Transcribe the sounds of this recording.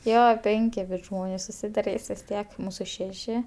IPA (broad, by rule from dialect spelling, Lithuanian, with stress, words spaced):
ˈjoː ˈpʲɛŋʲkʲɪ bʊs ˈʒmoːnʲeːs sʊsʲɪdɐˈrʲiːs ʋʲɪs ˈtʲiɛk ˈmuːsʊ ˈʃʲæːʃʲɪ